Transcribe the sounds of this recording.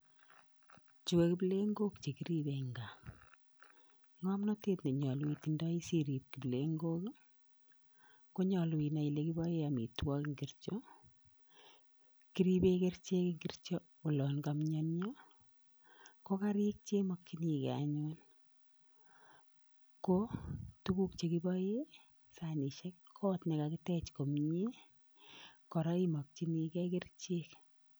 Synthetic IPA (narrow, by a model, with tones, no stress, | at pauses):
t͡ʃi˨we˨ki˦ble˦ŋɡo˦kt͡ʃe˨ki˦ɾi˦be˨ŋɡa˨ | ŋɔ˦mnɔ˦te˦tne˨ɲɔ˨li˨ti˨nda˦i˦si˦ɾi˨p̚ki˨ble˨ŋɡo˦k | ko˦ɲɔ˨lwi˨na˨i˨le˦ki˦bɔ˦je˦a˨mḭ˨twɔ˦kŋɡi˦rt͡ʃo˦ | ki˦ɾi˦pe˦ke˦ɾt͡ʃe˦ki˦ŋɡi˦rt͡ʃɔ˦ | ʊ˨lɔ˨nkamɲɔ˦nɲɔ˦ | ko˦ka˦ɾɪ˦k̚t͡ʃe˦mɔ˨kt͡ʃi˦ni˨kɛ̰˨a̰ɲʊ˦n | ko˦tu˦ku˦k̚t͡ʃe˨ki˦bɔ˦je˦ | sa˨ni˨ʃɛ˦kːʰɔ˦tnɪ˨kakɪ˦tɛ˦t͡ʃko˨mɲe˦ | kɔ˨ɾa˦i˦mɔ˨k̚t͡ʃi˦ni˨kɛ˦ke˦rt͡ʃek